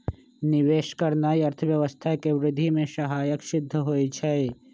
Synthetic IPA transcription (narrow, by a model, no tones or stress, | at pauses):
nɪʋeːʃkəɾnaːiɐɾt̪ʰəʋjɐʋəst̪ʰaekeʋɾɪd̪ʱimẽʃɐɦaːjəkʃɪd̪ʱːəɦoːit͡ʃʰɛe